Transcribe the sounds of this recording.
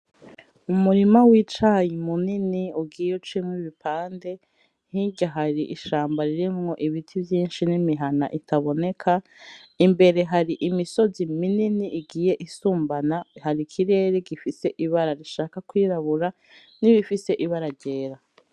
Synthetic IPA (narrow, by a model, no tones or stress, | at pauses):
umuɾimawit͡ʃajimuniniuɡiːjeut͡ʃimwiβipʰaːnde̞ | n̥hiɟaɦaɾiʔiʃaːmbaɾiɾimŋo̞ʔiβitʰivjiːnʃinimiɦana̰ʔitʰaβo̞ne̞kʰa | imbe̞ɾe̞ɦaɾiʔimiso̞zimininiʔːɡiːje̞ʔisuːmbanahaɾikʰiɾe̞ːɾeɡifise̞ʔiβaɾaɾiʃaːkakwiːɾaβuɾa | niβifise̞ʔiβaɾaɾɟe̞ːɾa